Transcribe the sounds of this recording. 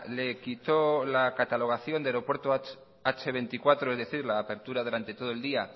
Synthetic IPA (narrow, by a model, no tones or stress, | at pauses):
le̞kit̪olakat̪alo̞ɣ̞aθjo̞nd̪eaɾo̞pwe̞ɾt̪o | at͡ʃeβ̞e̞nt̪ikwat̪ɾoe̞zðeθiɾlaːpe̞ɾt̪uɾað̞uɾant̪e̞t̪o̞ð̞oe̞ld̪ia